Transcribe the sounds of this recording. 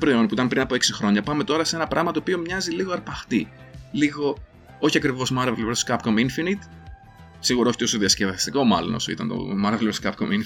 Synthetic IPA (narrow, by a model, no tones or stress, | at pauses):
ɐpɾoio̞npuit̪ɐmpɾinɐpoeksixɾo̞ɲɐpɐme̞t̪o̞ɾɐsenɐpɾʔɐɣmɐt̪oːpio̞mɲɐziliɣo̞ɐɾpɐxt̪i | liɣo̞ | o̞çiɐkɾivo̞zmɐɾvelvskɐpkominfinit̪ | siɣuɾoçi̥t̪osoðiɐscevɐst̪iko̞mɐ̰lo̰no̞̰so̞ḭt̪ɐ̰nt̪o̰mɐɾveleskɐpko̰min